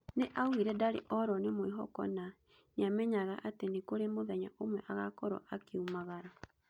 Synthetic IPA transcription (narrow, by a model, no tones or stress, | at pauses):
neʔaɣwiɾɛdaɾḛʔɔɾɔnemweɦɔ̰kɔ̰na | ɲamɛɲaɣaʔatenekoɾemoðɛɲa̰ʔomwɛʔaɣakɔɾɔ̰ʔakeumaɣaɾa